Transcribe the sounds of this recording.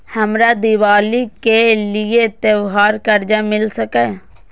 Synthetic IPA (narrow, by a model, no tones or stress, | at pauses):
həmɾad̪ɪʋaːlikelɪet̪ewɦaːɾkəɾd͡ʒamɪlsəkɛː